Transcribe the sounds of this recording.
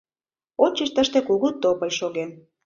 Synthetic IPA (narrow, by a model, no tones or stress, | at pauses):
ot͡ɕəʃt̪əʃt̪ekuɣut̪ːopə̆lʲʃoɣen